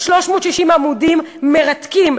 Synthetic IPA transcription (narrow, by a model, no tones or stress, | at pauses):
ʃloʃmot̪ʃiʃimamudimːeʁat̪kim